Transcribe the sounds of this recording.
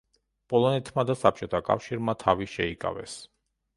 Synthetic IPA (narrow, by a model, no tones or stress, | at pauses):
pʼɔlˠɔnɛt̪ʰmad̪asap̚ʰt͡ʃʼɔt̪ʰakʼa̰fʃiɾmat̪ʰaviʃɛikʼa̰vɛ̰s